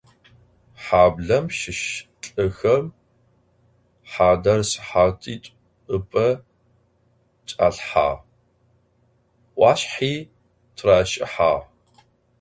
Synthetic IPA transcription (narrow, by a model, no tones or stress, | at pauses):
ħaːbɮɐmʃɪʃ | ɬʼɨxɐm | ħaːdɐrsɨ̥ħaːtʰʼiːtʷʼ | ɨpʼɐ | t͡ʃʼa̰ːɬħa̰ː | ʔʷɑːɕħiː | tʰraːʃʼɪ̰ħaː